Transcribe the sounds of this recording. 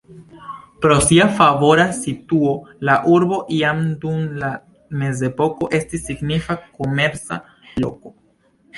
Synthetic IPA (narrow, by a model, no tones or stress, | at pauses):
pɾo̞siafavo̞ɾasituo̞laʔuɾbo̞ʔiamdumla | me̞ze̞po̞ko̞ʔe̞stisːiɡnifako̞me̞ɾt͡sa̰ | lo̞̰ko̞